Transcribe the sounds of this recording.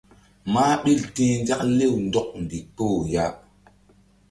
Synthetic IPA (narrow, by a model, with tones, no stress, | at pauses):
maː˦ɓi˦˨ltĩ˦nd͡ʒa˦kle˦˨wndɔ˦˨k̚ndi˨k͡po˦˨wja˦